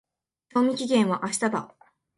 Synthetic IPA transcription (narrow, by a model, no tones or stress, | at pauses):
ɕoːmʲikʲiɡẽ̞ɰ̃βaʔaɕi̥t̪ab̪a